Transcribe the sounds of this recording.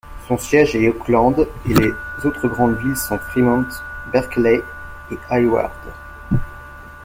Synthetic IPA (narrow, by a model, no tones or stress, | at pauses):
sɔ̃sjɛʒɛoklɑ̃d̪elezot̪χəɡʁɑ̃d̪vilsɔ̃fχimɑ̃t̪bɛʁklɛ | eajwa̰ʁd̪